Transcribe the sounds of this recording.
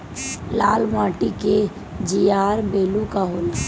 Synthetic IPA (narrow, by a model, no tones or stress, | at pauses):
laːlmãːʈike | d͡ʒijaːɾbeːlukaɦoːla